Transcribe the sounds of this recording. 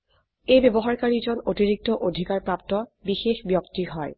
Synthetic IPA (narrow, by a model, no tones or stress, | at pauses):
ejbebɔɦaɹkaɹizɔnotiɹik̚tɔʔodʱikaɹpɹap̚tɔbixexbjɔktiɦɔj